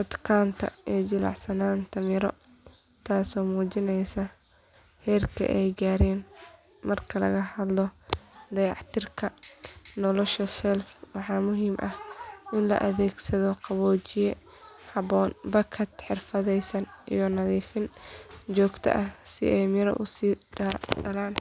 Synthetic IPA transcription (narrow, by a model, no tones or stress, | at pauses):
ʔɐt̪kʰaːnt̪ʰɐ̰ʔɛːd͡ʒɪlɑ̰ʕsɐnaːnt̪ʰɐmɪɾɔ̰ | t̪ʰaːsɔːmuːt͡ʃɪnɛjsɐ | hɛːrkʰɐ̰ʔɛjɡaːɾɛːn | mɐrkʰɐlɐ̰ɣɐhɐd̪lɔd̪ɐjɑʕt̪ʰɪrkʰɐnɔlɔʃɐsɛlfwɑħɑːmʊɦiːmʔɐhʔɪnlɐ̰ʔɐðɛːɡsɐðɔqɑβɔːt͡ʃɪjɛ | hɑβɔːnbɐkʰɐt̪ħɪrfɐðɛjsɐnʔḭjɔnɐðiːfɪnt͡ʃɔːɡt̪ʰɐ̰ʔɐhsɪ̰ʔɛjmɪɾɐ̰ʔʊsiːɖɐɖɐlaːn